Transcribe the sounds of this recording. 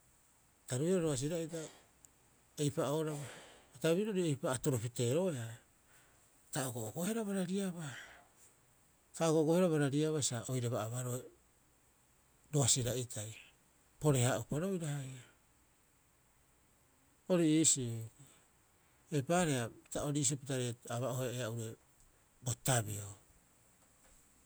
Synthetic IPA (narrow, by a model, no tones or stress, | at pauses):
taɾuiɾaɾoas̬iɾaita | ejpaʔoɾaβaataβiɾooɾiejpaːtoɾopite̞ɾo̞ea | taoɡoʔoɡohe̞ɾaβaɾaɾiaβa | taoɡoɡoheɾaβaɾaɾiaβasaʔojɾeβaʔaβaɾo̞e | ɾoasiɾaitʰaj | po̞ɾe̞haʔupaɾo̞jɾahaja | o̞ɾiːsi | epaːɾe̞api̥taoɾiːs̬iopitaɾeaβaoheeauɾe | botabio